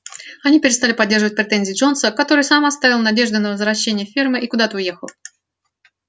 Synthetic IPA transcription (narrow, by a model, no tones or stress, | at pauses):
ɐnʲipʲɪɾʲɪst̪alʲɪpɐdʲːerʐəvət̚ʲpɾʲɪt̪enʲzʲɪːʐo̞nsəkɐt̪o̞ɾɨjsamɐt̪st̪avʲɪlˠnɐdʲe̞ʐd̪ʊnəvəzvɾɐɕːenʲɪjəfʲirmɨʔikʊd̪at̪əʊjexəlˠ